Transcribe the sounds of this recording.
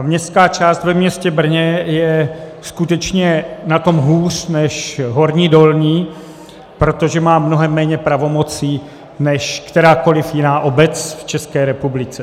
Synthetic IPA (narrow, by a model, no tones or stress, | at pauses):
mɲɛst̪kaːt͡ʃaːst̪vɛmɲɛscɛbr̩ɲɛjɛskut̪ɛt͡ʃɲɛnat̪o̞mɦuːrnɛʃɦo̞ɾɲiːdo̞lɲiː | pɾo̞t̪o̞ʒɛmaːmno̞ɦɛmːɛːɲɛpɾavo̞mo̞t͡siː | nɛʃkt̪ɛɾaːko̞lɪfjɪnaːʔo̞bɛt͡sft͡ʃɛskɛːɾɛpublɪt͡sɛ